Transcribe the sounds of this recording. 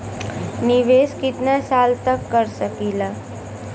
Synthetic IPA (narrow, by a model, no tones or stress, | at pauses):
nɪʋeːskɪt̪nasaːlt̪əkːəɾsəkiːlaː